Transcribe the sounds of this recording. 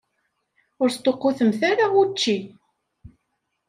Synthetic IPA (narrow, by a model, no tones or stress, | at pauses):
ʊɾst̪oqːoθəmθaɾaut͡ʃːi